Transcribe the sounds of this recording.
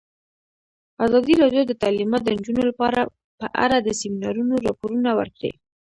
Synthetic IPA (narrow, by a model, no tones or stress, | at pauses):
azɑd̪iɾɑɖjod̪ət̪alimɑt̪̚d̪ənd͡ʒunolapɑɾa | pəʔa̰ɾad̪əsiminɑɾunoɾɑpoɾunawə̰ɾkɽḛ